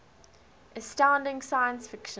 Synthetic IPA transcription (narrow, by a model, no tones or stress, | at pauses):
ʔɛstãʊ̃ndɪ̃ŋsaɪə̃nsfɪkʃə̃